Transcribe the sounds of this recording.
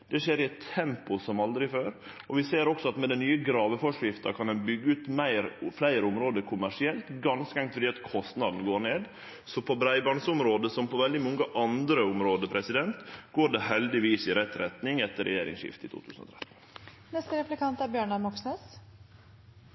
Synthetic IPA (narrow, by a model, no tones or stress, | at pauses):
d̪̥ɛʃeːɾɪɛt̪ʰːɛmpʊsɔmɑld̪ɾɪføːɾ | ɔʋɪseːɾɔksɔɑt̪mɛd̪ɛnyːəɡɾɑːʋəfɔʂɪft̪ɑkʰɑnd̪ɛnbʏɡːəʉːt̪mæɪɾflæɪɾəʊmɾoːd̪əkʰʊmæʂɪɛlt̪ɡɑnskəɛŋt̪fɔɾɖiːɑt̪kʰɔst̪nɑd̪n̩ɡoːɾɳeːd̪ | sɔpʰɔbɾæɪbɑɳsʊmɾoːd̪əsɔmpʰɔʋɛld̪ɪmɔŋːəʔɑnd̪ɾəʊmɾoːd̪əpʰɾɛsɪd̪ɛnt̪ɡoːɖɛɦɛld̪ɪʋiːsɪɾɛt̪ːɾɛt̪nɪŋɛt̪ːəɾʔɛ̰jeːɾɪ̰ŋsʃɪ̰ft̪ɪt̪ʰṵt̪ʰʉ̰ːsənɔ̰t̪ʰɾɛt̪ːn̩ | nɛst̪əɾɛplɪkʰɑnt̪æɾbjøːɳɑmɔksneːs